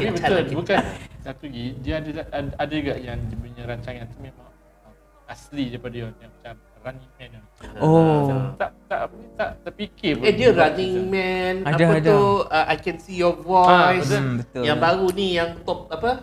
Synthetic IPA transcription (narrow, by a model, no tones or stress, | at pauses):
apibət̪ʊlbukansat̪uɡidiəadaadad͡ʒuɡaʔjaŋd͡ʒipuɲaɾaɲt͡ʃaŋãnt̪umẽmãŋ | ə | aslidaipadajɔnjaŋmat͡ʃam | raniŋmɛ̃na | ot̪aʔt̪a̰ʔt̪aʔt̪apikebɛdiəɾanĩŋmɛnadad̪uəʔajkɛnsijɔɡwɔsbət̪ojaŋbaɾunijaŋt̪ɔp̚apə